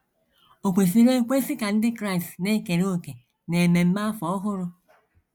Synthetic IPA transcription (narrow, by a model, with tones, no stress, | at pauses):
o˨kʷe˨fi˦ɾe˦kʷe˦sɪ˦ka˨n̩˦dɪ˦kɾa˦˨stne˦ke˨ɾo˦˨ke˨ | ne˨me˨m̩˦ma˦fɔ˨˦ɔ˦ɦʊ˦ɾʊ˦